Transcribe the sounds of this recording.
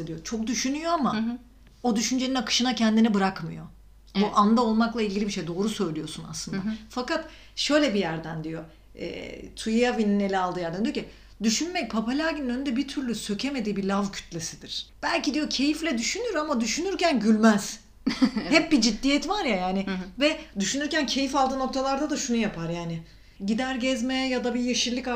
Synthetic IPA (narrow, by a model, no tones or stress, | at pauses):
ad̪ijo̞t͡ʃʰo̞k̚d̪yʃynyjo̞ama | o̞d̪yʃynd͡ʒeninakʰɯ̥ʃɯnacʰɛnd̪inɛbɯɾakmɯ̰jo̞ | buʔand̪ao̞lˠmaklˠailɟʲɟilʲibiʃejd̪o̞ːɾusø̞jlʲijo̞suna̰slˠɯnd̪afakat̪ | ʃø̞jlʲɛbijæɾd̪ænd̪ijo̞ | ɛ̰ːt̪ʰujjavininelʲɛalˠɯːjæɾd̪ænd̪ijocʰʲi | d̪yʃynmɛc̚pʰapʰalʲaːɟininønynd̪ɛbit̪ʰyɾlʲysø̞cʰe̞me̞d̪iːbilʲavcʰy̥t̪ʰlʲesid̪iɾ̥b̥ælʲcid̪ijo̞cʰe̞jiflʲɛd̪yʃynyɾamad̪yʃynyɾcænɟylʲmæz̥ | hɛp̚bid͡ʒid̪ːijɛt̪vaɾjajaːnɪvɛd̪yʃynyɾcæncʰe̞jifalˠd̪ɯːno̞k̚t̪ʰalˠaɾd̪ad̪aʃunujapʰaɾjaːnɪ | ɟid̪æɾɟɛzmɛjad̪abijeʃilʲˠika